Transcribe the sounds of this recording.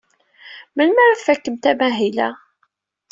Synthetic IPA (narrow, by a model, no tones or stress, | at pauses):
məlmæɾfækːəmt̪æmæɦilæ